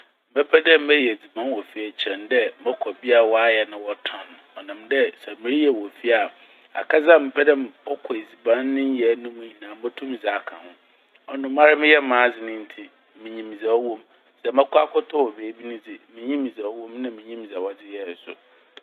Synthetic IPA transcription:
m̩˨bɛ˦pʰɛ˦dɛ̃˦m̩ː˦ɛ˦jɛ˨d͡zi˨bã˦nwɔ˨fi˦ɛ˨t͡ɕʰɛ̃˨n˦dɛ˦mɛ˦kʰɔ˨bi˦a˨wɔ˦a˦jɛ˨nã˨wɔ˦tʰɔ̃˨n˨ɔ˨nã˨mdɛ˦sɛ˨mĩ˨˦ɾi˦jɛ˨wɔ˨fi˦a˨ | a̰˨kʰa˦zã˦˨mɛ˨pʰɛ˦dɛ̃˦˨mɔ˦kʰɔ˨e˨d͡zi˨bã˦nː˦ɪ̃˦n˦jɛ˨˦nʊ̃˦mũ˦ɲĩ˨nã˨˦ɔ˦tʰũ˦m˨za˨kʰã̰˨hʊ̃˦ | ɔ˦nʊ̃˦mã˦ɾɪ˦mɪ̃˦jɛ˦mãː˦d͡zɪ˨nɪ̃˦n̩˦tʰi˦ | mɪ̃˨ɲĩ˨mĩ˨zɛ˨˦wɔ̃˦m | sɛ˨mɛ˦kʰɔ˦a˦kʰɔ˦tʰɔ˦wɔ˨beː˨˦bi˦nʊ̃˦d͡zɪ˨mɪ̃˨ɲĩ˦mĩ˨zɛ˨ɔ˦wɔ̃˦mnã˦mɪ̃˨ɲĩ˦m˨zɛ˨wɔ˦d͡zɪ˦jɛ˨sʊ̰˨

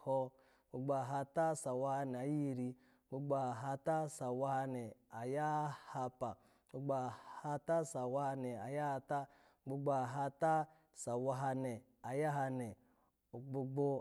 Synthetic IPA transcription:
hɔ˦˧ | ɡ͡bo˨ɡ͡ba˨ɦa˧ta˦sa˨wa˦ha˧ne˨a˨˦ji˦˨ɾi˧ | ɡ͡bo˦ɡ͡ba˦˨a˨ɦa˧ta˦sa˨wa˦ha˧ne˨a˨ja˦ha˧pa˨ | ɡ͡bo˦ɡ͡ba˨ha˦ta˦sa˨wa˦ha˧ne˨a˨ja˦ha˧ta˦ | ɡ͡bo˦ɡ͡ba˦˨ɦa˧ta˦ | sa˨wa˦ɦa˧ne˨ | a˨ja˦ɦa˧ne˨ | ɡ͡bo˨ɡ͡bo˦

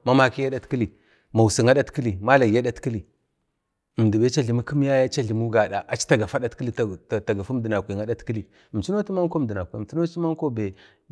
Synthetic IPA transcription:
ma˦ma˦ki˦ja˦da˦tki˦li˨ | ma˨wu˨si˨ŋa˦ɗa˦tki˦li˨ma˦la˨a˦ɗa˦tki˦li˨ | m˨di˨be˦t͡ʃa˦ɮi˨mu˦ku˦m˦ja˦ja˦t͡ʃa˦ɮi˨mu˦ɡa˨ɗa˨ʔa˨t͡ʃi̥˦ta˨ɡa˨fa˦ɗa˦tki˦i˦˨ta˨ɡa˨fu˦m˦də˨na˨kʷi˨ŋa˦ɗa˦tki˦li˨ | m˨t͡ʃi˦no˦ti˦ma˦ŋ˦ko˦˨də˨na˨kʷi˨tu˦no˦ti˦ma˦ŋko˦be˨

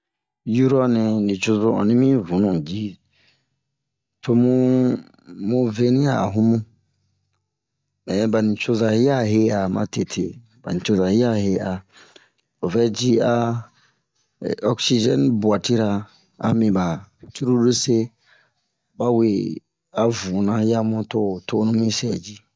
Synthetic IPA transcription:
ju˦ɾɔ˦nɛ̃˨nĩ˨t͡ʃo˦zo˦ɔ̰̃˨nĩ˦mĩ˦vũ˨˦nũ˨d͡ʒi˦ | tʰo˦mũ˦ | mũ˦ve˦nĩ˦a̰˨ɦũ˦mũ˦ | mɛ˨˦ba˨nĩ˨t͡ʃo˦za˨hi˦a˦ɦe˦a˨mã̰˦tʰe˨tʰḛ˨ | ba̰˨nĩ˨t͡ʃo˦za˨hi˦a˦he˦a˨ | o˨vɛ˦d͡ʒi˦a˦˨ | ɔ˦ksi˦d͡ʒɛ˦nbu˨a˨ti˦ɾa˨ | a̰˦mĩ˨ba˨tu˦ɾu˦du˦se˦ | ba˦we˨ | a˨vu˨nã˦ja˦mũ˦to˦˨tʰo˦nũ˦mĩ˦sɛ˨d͡ʒi˦

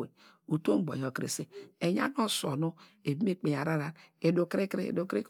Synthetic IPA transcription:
e˨ | u˨to˦ŋ͡m̩˦ɡ͡bo̰˨ɲ˨o˨kɾḛ˨se˦e˨ɲ˦a̰˦n˦o˦so˨nu˦e˨bi˦m˦e˦k͡pe˨a˨ɾa˦ɾa˨ne˨do˨kɾe˦kɾḛ˦˨do˨kɾe˦k

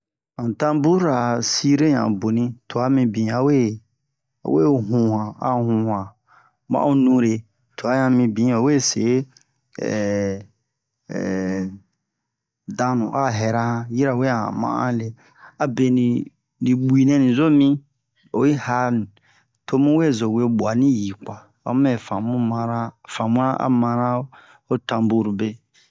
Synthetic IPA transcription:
ã˨n˨tã˦bu˦ɾa˨si˦ɾe˦ɲã̰˨bo˨nĩ˧˦tʰo˨a˦mĩ˧bĩ˨a˨wḛ˦˨ | we˦˨ɦũ˨˦hã˨a̰˦hũ˦hã˨ | mã̰˦u˦nũ˦ɾe˨ | tʰo˨a˦ɲã˧mĩ˧bĩ˨˦o˨we˦˨sḛ˨˦ | ɛ̰˨ | dã˦nṵ̃˨ʔa˦ɦɛ˨ɾa˦hã˦ji˦ɾa˨we˦a˨ã̰˨mã̰˦ʔã̰˦le˨ | a˨be˨nĩ˨ | ni˨ɡ͡bui˨nɛ̃˨nĩ˨zo˦mĩ˦ | o˨ji˦ha˦nĩ˨ | to˦mũ˦we˦˨zo˨we˦˨ɓu˨a˨nĩ˦ji˨kwa˨ | wa̰˨˦ɛ˨fã˨mũ˦mã˦ɾa˦fã˨mũ˦ɾã˦ʔa̰˦mã˧ɾã˦ | o˦tã˨mbu˦ɾu˨be˦

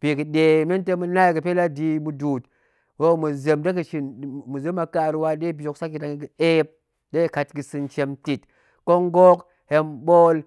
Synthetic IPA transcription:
pi˨kɨ˨ɗe˨me˦n˦te˦mu˦na˦i˨kɨ˨pe˦la˦di˧mu˦duː˨t | wo˦mu˨ze˨mde˦k̬ɨ˨ʃi˨n˨mu˨ze˦ma˨ka˨ɾwa˦de˦bʲo˨ksa˦kːi˨ta˨ŋ˨i˨e˦p̚ | de˦ka˨tɡɨ˨sɨ˨nt͡ʃe˨mti˨t | ko˦ŋ˦ɡo˦k | he˧mɓo˦l

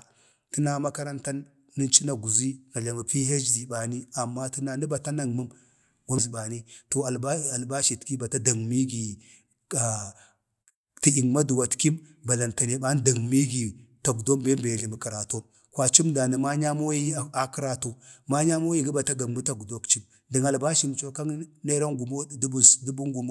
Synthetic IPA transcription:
ti˦na˦ma˦ka˦ɾa˦nta˦nː | i˦t͡ʃi˦na˨ɡu˨zi˦na˨d͡ʒa˨ma˨pi˦ɦe˦d͡ʒzi˨ba˨ni˦a˨mːa˦ti˦na˨ni˦ba˨ta˦na˨ŋmu˦m | ɡa˦zi˨ɓa˨ni˦to˨a˨˦a˨lba˦ʃi˨tki˦ba˨ta˦da˨ŋmi˦ɡi˨ | a˨ | ti˦i˨ŋma˦du˨wa˨tki˦m | ba˨la˨nta˨ne˨ba˦n˦da˨ŋmi˦ɡi˨ta˨ɡu˨do˦mbe˦m˦be˨li˨mə˨ki˨ɾa˨to˦m | kwa˨t͡ʃi˦mda˨ni˨ma˦ɲa˦mo˦ji˦˨a˨ki˦ɾa˨to˦ma˦ɲa˦mo˦ji˦ɡi˦ba˨ta˦ɡa˨mmu˦ta˨ɡdo˦kt͡ʃi˦m | di˨ŋa˨lba˦ʃi˦˨n˨t͡ʃo˦ka˦ŋne˦ɾa˦ŋɡu˨mo˦du˦bu˨sdu˦bu˦ŋɡu˨m˦

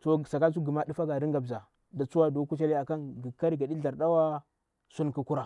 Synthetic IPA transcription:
to˨sa˨ka˦su˦ɡi˨ma˦di˦fa˦ɡa˨ɾi˦ŋɡa˨bza˨ | da˨t͡su˦wa˦do˨˦ku˦t͡ʃa˦li˦a˨ka˦nɡi˨ka˦ɾi˨ɡa˨di˦ɮa˨ɾda˦wa˦ | su˦nku˨ku˦ɾa˨

